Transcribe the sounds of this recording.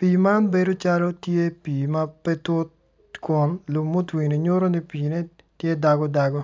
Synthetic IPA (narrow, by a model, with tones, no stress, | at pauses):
pi˨ma˦nbe˨do˦t͡ʃa˦lɔ˦tje˦piː˨ma˦pe˦to˦t̚ | kʊ˨nlʊ˨mːo˦twi˨ni˨ɲo˦ɾo˦ni˦piː˨ne˦ | tje˦da˨ɡɔ˦da˨ɡɔ˦